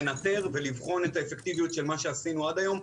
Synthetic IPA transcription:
nat̪e̞ʁve̞livχo̞netaefekt̪ivijut̪ʃe̞lmaʃe̞asinuad̪ajo̞m

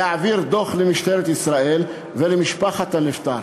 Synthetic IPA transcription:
aʕaviɾd̪oχlemiʃt̪eɾet̪isɾaʔel | velemiʃpaχat̪haneft̪aɾ

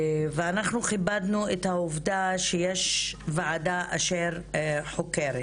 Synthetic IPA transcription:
veanaχnuχibad̪nuet̪hauvd̪aʃejeʃvaʕadaʔaʃeʁħokeɾet

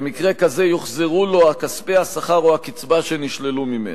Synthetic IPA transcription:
mikʁe̞kazejoχzeʁulo̞akaspehasaχaʁohakit͡sbaʃeniʃlelumimḛ

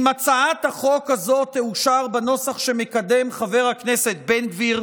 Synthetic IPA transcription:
mat͡saat̪haχo̞khazo̞t̪ːeuʃaʁbano̞saχʃemekad̪e̞mχave̞ʁhakneset̪̚benɡviʁ

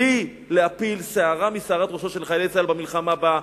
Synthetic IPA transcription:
i | leapilseaʁamiseaʁat̪ʁoʃoʃelχajlet͡salbamilχamaba

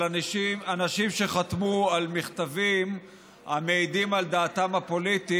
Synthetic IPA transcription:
ianaʃimʃe̞χat̪mualmiχt̪avim | ameid̪imald̪aːt̪amapo̞lit̪i

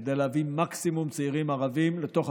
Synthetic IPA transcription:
d̪ejleavimaksimumt͡siʁimaʁavimlet̪o̞χ

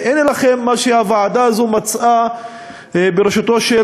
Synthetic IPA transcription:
ʔenelaχe̞mːaʃehavaʕad̪aːzumat͡sʔa | beɾeʃat̪o̞ʃe

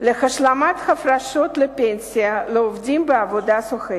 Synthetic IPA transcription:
lɨxɐʃlˠamat̪xɐfraʃot̪lɨpʲenʲsʲɪjalɨovd̪ʲimbɨavod̪asʊxɨ

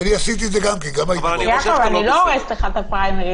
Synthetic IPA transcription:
aniasit̪̬ied̪zeɡamkenɡamajakovanilooʁest̪eχat̪apajmeʁi

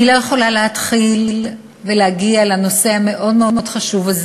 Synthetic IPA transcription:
ilojeχo̞laleɦat̪χil | veleaɡialano̞se̞hame̞ʔo̞dmeomeod̥χaʃuvaz

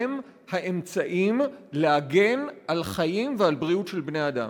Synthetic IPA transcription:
em | haʔe̞mt͡saʔimleaɡe̞nʔalχajimvealbʁiutʃelbnejad̪a̰m

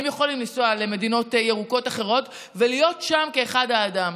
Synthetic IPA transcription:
emjeχo̞limlisoaleme̞dino̞tjeʁuko̞taχe̞ʁo̞t | velijo̞tʃamkeːχadaːdam

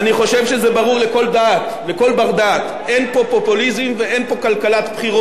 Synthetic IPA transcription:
aniχo̞ʃe̞vʃezebaʁuʁleko̞ld̪at̪ | leko̞lbaʁd̪at̪ | e̞npo̞populizimvee̞npo̞kalkalat̪pχiʁo

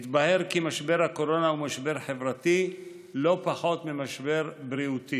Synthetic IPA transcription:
t̪bahe̞ʁkimaʃbe̞ʁhako̞ɾo̞naumaʃbe̞ʁħe̞vʁat̪i | lo̞paħo̞t̪mimaʃbe̞ʁbɾiut̪i

